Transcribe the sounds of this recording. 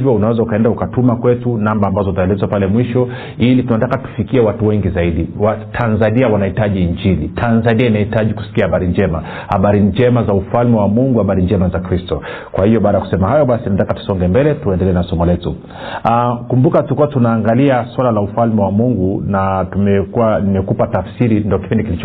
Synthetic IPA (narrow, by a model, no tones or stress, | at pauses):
vjɔunawɛzaukaɛndaukatumakwɛtunambaːmbazɔutaɛlɛzwapalɛmwiʃɔ | ilitunatakatu̥fikiɛwatuwɛŋɡizaiɗiwatʰanzaniawanahitaʄiːɲd͡ʒilitʰanzaniainahitaʄiku̥si̥kiahaɓaɾiɲd͡ʒɛma | haɓaɾid͡ʒɛmazaufalmɛwamuŋɡuhaɓaɾiɲd͡ʒɛmazakɾistɔ | kwahijɔɓaːɗajakusɛmaɦajɔɓasininatakatu̥sɔŋɡɛmbɛlɛtuɛndɛlɛɛnasɔmɔlɛtu | akumbukatuikuwatunaːŋɡaliaswalalaufalmɛwamuŋɡunatumɛkuanimɛkupatafsiɾindiɔki̥pindikilit͡ʃ